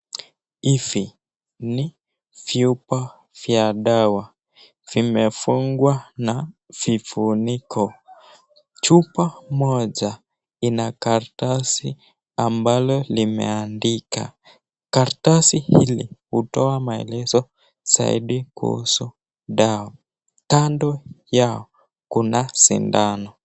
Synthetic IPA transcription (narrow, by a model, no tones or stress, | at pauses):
ifi | ni | fjupa | vjaɗawa | v̥imɛfuŋɡwanav̥ifunikʰɔ | t͡ʃupamɔʄa | inakaɾtasi | ambalɔlimɛ̰andika̰ | kaɾtasihilḭhutɔamaɛ̰lɛzɔ | sa̰ḭɗikṵhṵsu | ɗaɔ | tandɔjaɔ | kunasḭndanɔ